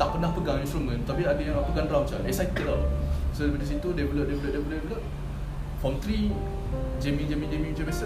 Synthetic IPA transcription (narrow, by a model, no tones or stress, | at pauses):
t̪aʔpənahpəɡaŋĩnst̪ɾumə̃nt̪apiadəjãŋapəɡanɾamət͡ʃa̰ɛsait̪əlalasəɾəbədisit̪udebəloʔ̚debələʔdebəloʔbəloʔ̚ | fɔnt̪ɾi | d͡ʒemĩŋd͡ʒemĩŋd͡ʒemĩŋmət͡ʃãmbiasa